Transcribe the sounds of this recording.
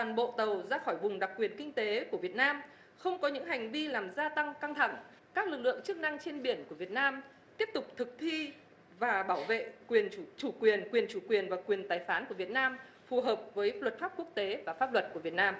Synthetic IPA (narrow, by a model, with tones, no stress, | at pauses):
t̪aː˨˩nɓo̰˧˨t̪ə˨˩wzaː˧xɔ˧˩jvʊ˨˩ŋ͡mɗa˨˩k̚ːwi˨˩ənkï˧ŋ̟t̪e˨˦ku˧˩əvi˨˩ət̚naː˧m | xə˧wŋ͡mkɔ˨˦ɲɨ̰˧˥ŋɦa˨˩jŋ̟vi˧laː˨˩mzaː˧t̪a˧ŋka˧ŋt̪ʰa˧˩ŋ | kaː˦˥k̚lɨ˨˩k̚lɨ̰˧˨əŋt͡ɕɨ˦˥k̚na˧ŋt͡ɕe˧nɓi˧˩ənku˧˩əvi˨˩ət̚naː˧m | t̪i˦˥əp̚t̪ʊ˨˩k͡p̚t̪ʰɨ˨˩k̚t̪ʰi˧ | vaː˨˩ɓaː˧˩wvḛ˧˨kwi˨˩ən˧˩t͡ɕu˧˩kwi˨˩ənkwi˨˩ənt͡ɕu˧˩kwi˨˩ənvaː˨˩kwi˨˩ənt̪aː˨˩jfaː˨˦nku˧˩əvi˨˩ət̚naː˧m | fu˨˩ɦəː˨˩p̚vəː˨˦jlə˨˩t̚faː˦˥p̚ku˦˥ək̚t̪e˨˦vaː˨˩faː˦˥p̚lwə˨˩t̚ku˧˩əvi˨˩ət̚naː˧m